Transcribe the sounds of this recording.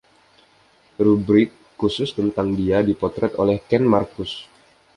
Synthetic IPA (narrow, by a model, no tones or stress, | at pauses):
rubɾɪkːusʊst̪ənt̪aŋdiadipɔt̪ɾɛt̪o̰lɛhkɛnmarkʊs